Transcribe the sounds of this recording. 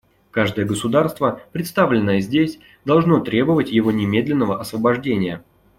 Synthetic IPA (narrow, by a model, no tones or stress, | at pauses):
kaʐd̪əjəɡəsʊd̪arst̪vəpɾʲɪt̪st̪avlʲɪnːəjəzʲdʲesʲ | d̪ɐlˠʐno̞t̪ɾʲebəvətʲjɪvo̞nʲɪmʲe̞d̪lʲɪnːəvəɐsvəbɐʐdʲenʲɪjə